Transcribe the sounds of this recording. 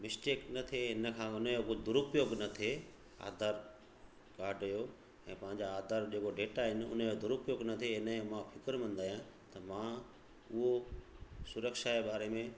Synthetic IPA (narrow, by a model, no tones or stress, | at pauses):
mɪsʈeːknɐt̪ʰeɦɪnə̆kʰãːʊnjokd̪ʊɾʊpjoːɡnɐt̪ʰe | a̰ːd̪ʱaːɾ | kaːɾɖəjo | ɛ̃ːpɐ̃ɦɪ̃ɲd͡ʑaːd̪ʱaɾd͡ʑeːkoɖeːʈaɦɪnɪ̆ʊ̰njod̪ʊɾʊpjoːɡnɐt̪ʰeɦɪnəmãfʰɪkəɾmɐ̃nd̪aːjãt̪ɐmã | ʊɦo | sʊɾəkʃaebaːɾemẽ